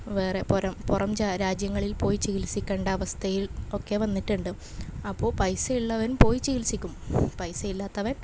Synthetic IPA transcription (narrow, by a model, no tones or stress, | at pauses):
ʋe̞ːre̞poɾɐmpurɐmt͡ɕaɾaːd͡ʑjɐŋːɐɭilpo̞ːjit͡ɕiɣilsikʲːeːɳɖɐɐʋɐst̪ʰɐjilo̞kːe̞ʋɐnːiʈːuɳɖɨ | ɐpːo̞ːɭpɐjsɐiɭːɐʋɐnumpo̞ːjit͡ɕiɣilsikʲːumpɐjsɐilːaːt̪ːɐʋɐn